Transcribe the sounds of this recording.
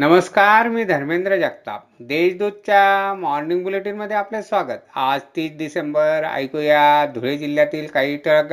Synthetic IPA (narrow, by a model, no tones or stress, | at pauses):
nəməskaɾmiːd̪ʱəɾmend̪ɾəd͡ʑakt̪a̰pd̪eɕd̪ud̪̚t͡ɕjamɔɾniŋɡbuleʈiːnməd̪ʱːeaplesʋaɡət̪ad͡zt̪iːt͡sd̪isembəɾa̰jkojad̪ʱuɭed͡ʑiljat̪iːlkaɦiːʈəɭk